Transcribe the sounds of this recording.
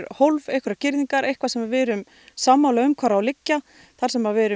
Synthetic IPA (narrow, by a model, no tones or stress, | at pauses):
ɾhowlvejhkʰʏɾacɪɾðiŋkaɾʔejhkvasɛmavɛːɾʏm | samːawlaʏmkʰvaɾawlɪcːa | θaɾ̥sɛmavɛːɾʏ